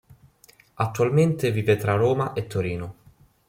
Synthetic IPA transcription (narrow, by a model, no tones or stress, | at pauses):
at̪ːualment̪ɪviːvet̪ɾaroːmaʔet̪ʰːoɾiːno